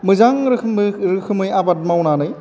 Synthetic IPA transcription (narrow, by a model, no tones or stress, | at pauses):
mɯzaŋɾɯmɾɯkʰɯmɯjabat̚mawnanɯj